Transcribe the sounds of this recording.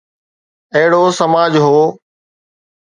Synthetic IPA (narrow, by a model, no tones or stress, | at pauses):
ɐɦɪɽoːsəmaːd͡ʑɦoː